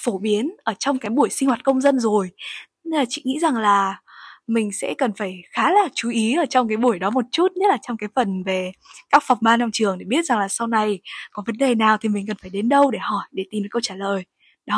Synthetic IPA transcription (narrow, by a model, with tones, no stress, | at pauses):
fo˧˩ɓi˨˦ənʔəː˧˩t͡ɕɔ˧wŋ͡mkaː˨˦jɓu˧˩əjsi˧ŋwaː˨˩t̚kə˧wŋ͡mzə˧nzo˨˩j | laː˨˩t͡ɕḭ˧˨ŋḭ˧˥za˨˩ŋlaː˨˩mï˨˩ŋ̟sɛ̰˧˥kə˨˩nfaː˧˩jxaː˨˦laː˨˩t͡ɕu˨˦ʔi˨˦ʔəː˧˩t͡ɕɔ˧wŋ͡mk̬aː˨˦jɓu˧˩əjɗɔ˨˦mo˨˩t̚t͡ɕu˦˥t̚ɲə˦˥t̚laː˨˩t͡ɕɔ˧wŋ͡mkaː˨˦jfə˨˩nve˨˩kaː˦˥k̚fa˨˩wŋ͡mɓaː˧nɔ˧wŋ͡mt͡ɕɨ˨˩əŋɗe˧˩ɓi˦˥ət̚za˨˩ŋlaː˨˩sa˧wna˧˩jkɔ˨˦və˨˦nɗe˨˩naː˨˩wt̪ʰi˨˩mi̟˨˩kə˨˩nfaː˧˩jɗe˨˦nɗə˧wɗe˧˩hɔ˧˩jɗe˧˩t̪i˨˩mnɨː˨˦kə˧wt͡ɕaː˧˩ləː˨˩j | ɗɔ˨˦